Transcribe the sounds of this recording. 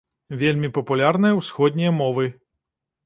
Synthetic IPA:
vʲelʲmʲipɐpulʲarnɨjɐwsxɔd̪ʲnʲijɐmɔvɨ

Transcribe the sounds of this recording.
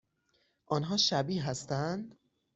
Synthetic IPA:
ʔɒːnɦɒːʃæbiːɦæst̪ænd̪

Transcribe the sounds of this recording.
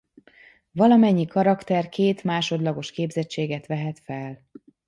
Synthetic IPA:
vɒlɒmɛɲːikɒɾɒkt̪ɛrkeːt̪maːʃo̞d̪lɒɡo̞ʃkeːbzɛt͡ʃːeːɡɛt̪ʋɛɦɛt̪fɛl

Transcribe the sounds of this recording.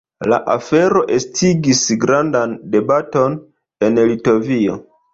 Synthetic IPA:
la̰ʔafe̞ɾo̞ʔe̞stʰiɡisɡɾandande̞bato̞n | e̞nlito̞vio̞̰

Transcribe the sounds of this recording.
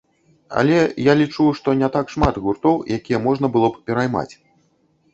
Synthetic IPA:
ɐ̰lʲɛjalʲit͡ʂuʂt̪ɔnʲɛt̪akʂmat̪ɣurt̪ɔwjʔakʲijɐmɔʐnɐbɨlˠɔppʲɛɾajma̰t͡sʲ

